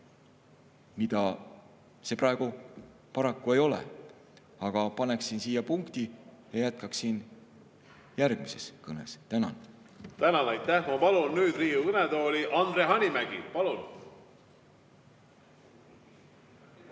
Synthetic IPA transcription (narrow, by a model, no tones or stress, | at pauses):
mid̪ɑ | se̞prɑeɡ̥u | pɑɾɑkːue̞jo̞lḛ | ɑɡ̥ɑpɑne̞ksinsiːjɑpuŋkt̪i | jɑjæt̪̚kɑksiːn | jærɡ̥mise̞skɤne̞̰st̪ænɑ̰n | t̪ænɑnɑjt̪ˑːæhmɑpɑlunːyːd̪riːjuɯnet̪o̞ːlʲiʔɑnd̪ɾeɦɑnʲimæɡ̥ḭpɑlun